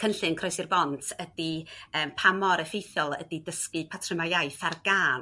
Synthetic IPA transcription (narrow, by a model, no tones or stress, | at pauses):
kʰənɬɨnkʰrɔɨsɨrbɔntʰədiəːmpʰamɔɾəfejθjɔlˠədidəskɨpʰatʰrɪmajajθarɡaːn